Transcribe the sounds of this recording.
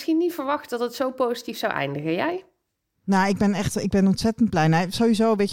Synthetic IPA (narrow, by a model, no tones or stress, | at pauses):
sxinitfəɹʋɑxtdɑtətsowpowzitifsawʔɛ̰jndəɣəjɛj | naɪɡ̚bɛnɛχtɪɡ̚bɛnɔntsɛtənt̚plɛjnasowizowʋe